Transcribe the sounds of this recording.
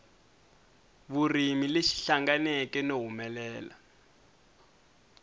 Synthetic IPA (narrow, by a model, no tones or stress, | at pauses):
βurimileʃi̥ɬaŋɡanɛkɛnoɦumɛlɛːla̰